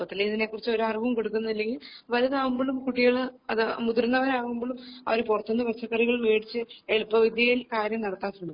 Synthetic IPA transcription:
ɐt̪ːilːeiðine̞ːkːurit͡ɕːo̞ɾuɐrʋɐmko̞ɽuk̬ːunːɐðilːe̞ŋɡilʋɐlɐðaːɣumboːɭumkuʈːiɣɐɭɐðmud̪uɾunːɐʋɐɾaːɣumboːɭumɐ̰ʋɐɾupurɐt̪ːɐnːɐbɐt͡ɕːɐkːɐriɣɐɭumeːɽit͡ɕːɨeɭupːɐʋid̪jɐjilkaːɾjɐmnɐɽɐt̪ːaːt̪ːuɳu

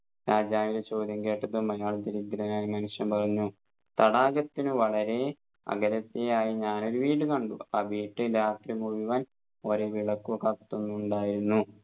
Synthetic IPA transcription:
ɾaːd͡ʑaːʋilet͡ɕo̞ːd̪ʱjɐŋke̞ːʈːɐðumɐjaːɭt̪iɾid̪ɾɐnaːjɐmɐnuʂjɐmpɐrɐɲːu | t̪ɐɽaːɣɐt̪ːinɨʋɐɭɐɾe̞ | ɐ̰ɡɐɾɐt̪ːejaːjiɲaːno̞ɾuʋiːɽɨkɐɳɖuaːʋiːʈːɨɾaːt̪rimubiʋɐn | o̞ːɾeʋiɭɐkːukɐkt̪ːonːuːɳɖaːjiɾunːu

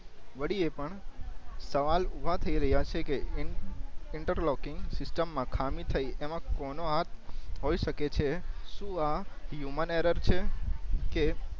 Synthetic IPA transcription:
ʋəɽiepəɳ | səʋalubʱat̪ʰəiɾəɦjat͡ʃʰeke | ɪɳʈəɾlɔkɪŋɡsɪsʈəmːãkʰamit̪ʰəjemãkɔnoɦat̪̚ʰɦoiʃəket͡ʃʰeʃũajuməneɾəɾt͡ʃʰeke

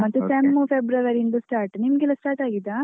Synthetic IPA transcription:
mɐt̪ːusemːupʰebɾɐʋɐɾind̪usʈaːɾʈnimɡilɐsʈaːɾʈaːɡid̪ːa

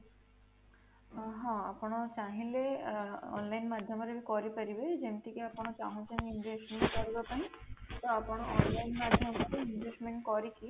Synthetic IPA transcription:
ɦɔ̃apɔɽ̃ɔt͡ʃaɦĩleɔ̰nlajnmad̪ʱjɔmɔɾebikɔɾipaɾibed͡ʒemt̪ikeapɔɽ̃ɔt͡ʃaɦɔ̃t͡ʃeninɖɾesmeɳʈkɔɾibɔpaɦĩt̪ɔapɔɽ̃ɔʔɔnlajnmad̪ʱjɔmɔɾeinɖɾesmeɳʈkɔɾiki

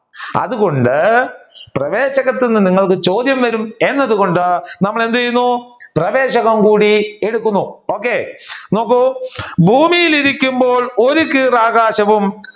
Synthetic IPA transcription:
ɐ̰ðuɣo̞ɳɖɨ | prɐʋeːɕɐɣɐt̪ːinːɨniŋːɐɭkɨt͡ɕo̞ːd̪jɐmʋɐɾume̞nːɐðuɣo̞ɳɖɨnɐmːɐɭe̞nd̪uɐjunːuprɐʋe̞ːɕɐɣɐmkuːɽieɽukːunːuo̞ːkːe̞no̞ːkːubʱuːmijiliɾikʲːumbo̞ːɭo̞ɾukːɨraːɡaːɕɐʋum

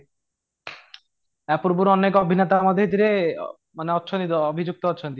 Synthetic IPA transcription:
ɛpuɾbuɾɔnekɔbʱinet̪amɔd̪ʱeɦid̪iɾe | maneɔt̪ːʃʰonit̪oobʱid͡ʑuk̚t̪oɔt̪ːʃʰonit̪i

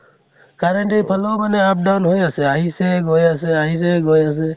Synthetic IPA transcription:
kaɾəɳʈipʰəlɔwmaneap̚ɖawnɦojasɛaɦiseɡojasɛaɦis̬eɡojas̬ɛ

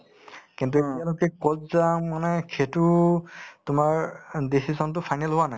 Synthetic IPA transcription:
kint̬uetialokɛkɔtzamanɛkʰetu | tʊmaɹdisizɔnt̬ʊpʰajnɛlɦʊwanaj

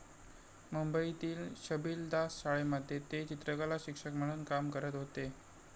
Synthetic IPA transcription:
mumbəit̪iːlɕəbiːld̪asɕaɭeməd̪ʱjet̪et͡ɕit̪ɾəkalaɕikʂəkm̤əɽ̃uːnkamkəɾət̪ɦot̪e

